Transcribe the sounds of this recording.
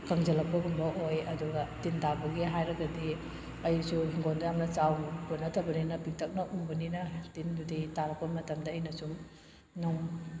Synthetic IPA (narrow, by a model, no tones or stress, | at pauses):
kɐŋzɐlɐk̚pɐɡunboojɐduɡɐtintabɐɡiɦajɾɐɡɐdi | ɐjusuhiŋɡondɐɐmnɐt͡ʃawɡunɐtʰɐbɐninɐpik̚tʰɐk̚nɐʔubɐninɐtinduditaɾɐk̚pɐmɐtɐmdɐːjnɐsuŋ | noŋ